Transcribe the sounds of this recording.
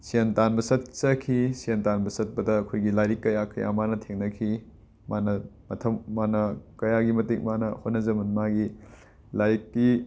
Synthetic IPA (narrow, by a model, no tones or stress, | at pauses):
sentanbɐsɐt̚t͡ʃɐkʰisientanbɐsɐt̚pɐdɐːkʰojɡilaɾikːɐjakʰɐ̰jʔa̰manɐtʰeŋnɐkʰi | manɐmɐtʰɐmmanɐkɐjaɡimɐtek̚manɐhotnːɐzɐmɐnmaɡi | lajɾik̚ti